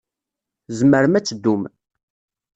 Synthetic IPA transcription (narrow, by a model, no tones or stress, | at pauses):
zməɾəmæt͡sːəd̪ːum